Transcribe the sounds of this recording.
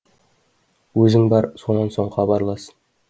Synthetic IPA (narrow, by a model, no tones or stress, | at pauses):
wɵzɪŋbɑɾso̞nɑnso̞ɴχɑbɑɾlˠɑsən